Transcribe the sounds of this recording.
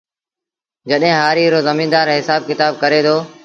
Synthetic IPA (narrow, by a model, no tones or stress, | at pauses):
d͡ʒəɗɦɪ̃ːɦaːɾiːɾoːzəmĩːnd̪aːɾɦɪsaːb̚kɪt̪aːb̚kəɾeːt̪ʰoː